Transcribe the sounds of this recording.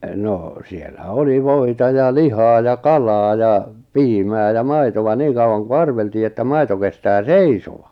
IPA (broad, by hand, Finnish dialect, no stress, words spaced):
noˑ sielːæ oli ʋoˑitɑ jɑ lihɑː jɑ kɑlɑː jɑ piːmæː jɑ mɑitoʋɑ niːŋ kɑuɑŋ ku ɑrʋeltiː etːæ mɑito kestæː seisoʋɑ